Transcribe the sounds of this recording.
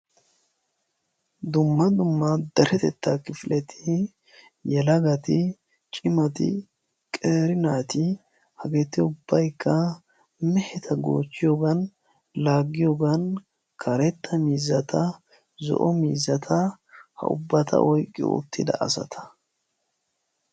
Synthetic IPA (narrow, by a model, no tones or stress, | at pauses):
d̪ʊmːɐd̪ʊmːɐd̪ɐɾɛt̪ɛt̪ːakɪflʔɛt̪ʰɪ | jɛlɐɡɐt̪ɪ | t͡ʃʼɪmɐt̪ɪ̰ | kʼeːɾɪnaːt̪ɪ | hɐɡet̪ːɪʊbːɐjkːɐ | mɛhɛt̪ʰɐɡo̰ːt͡ʃːɪjoɡɐn | laːɡːɪjoɡɐn | kʰɐɾɛt̪ːɐmiːzɐt̪ʰɐ | zɔ̰ʔɔmiːzɐt̪ʰɐ | hɐ̰ʔʊ̰bːɐt̪ʰɐ̰ʔɔjkʼːɪ̰ʊ̰t̪ːɪd̪ɐ̰ʔɐsɐ̰t̪ʰɐ̥